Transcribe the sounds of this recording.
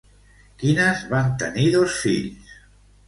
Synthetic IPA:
kinəzβant̪ə̰niðosfḭʎs

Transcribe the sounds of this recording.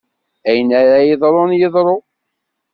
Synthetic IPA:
æjənæɾæjeðˤɾˤonjəðˤɾˤo

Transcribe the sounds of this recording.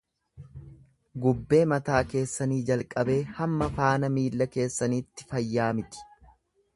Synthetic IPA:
ɡʊbːe̞ːmɐt̪aːke̞ːsːɐniːd͡ʒɐlkʼɐbe̞ːhɐmːɐfaːnɐmiːlːɐke̞ːsːɐniːt̪ːɪ̥fɐjːaːmɪt̪ɪ̥

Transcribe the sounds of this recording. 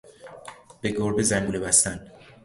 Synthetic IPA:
b̥e̞ɡoɾbezæŋɡuːlebæst̪æn

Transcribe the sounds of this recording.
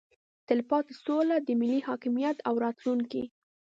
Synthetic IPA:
t̪ɪlpɑt̪solad̪əmɪlːihɑkɪmijat̪awɾɑt̪luŋki

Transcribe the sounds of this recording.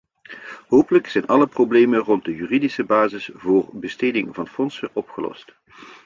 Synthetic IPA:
ɦoːwpələksɛjnɑləproblejmənrɔnt̚dəjyːridisəbaːzɪsvʊːrbəstejdɪŋvɑnfɔnsəʔɔpχəlɔ̰st

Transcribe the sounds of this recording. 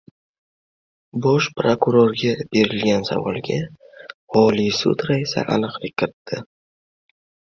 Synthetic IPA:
bɒʃpɾokʊɾoɾɡʲabe̞ɾɪlɡʲansa̰vɒ̰lˠɡʲa | ɒlijsʊ̰t̪ɾaisa̰ʔa̰nɨqlˠɪkʲʰːɪɾɪt̪ʰːɪ

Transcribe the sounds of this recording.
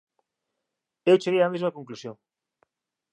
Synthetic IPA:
ewt͡ʃeɣeɐamezmɐkoŋklusjoŋ

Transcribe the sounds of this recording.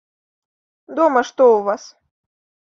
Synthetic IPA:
d̪ɔmɐʂt̪ɔuvas

